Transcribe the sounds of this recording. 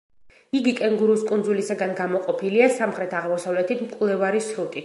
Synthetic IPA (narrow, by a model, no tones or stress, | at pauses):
iɡikʼɛŋɡuɾuskʼund̪zulisaɡanɡamɔqʼɔpʰiliasamχɾɛt̪ʰaʁmɔsavlɛt̪ʰit̪ʰmkʼvlˠɛvaɾiʃɾut̪ʼi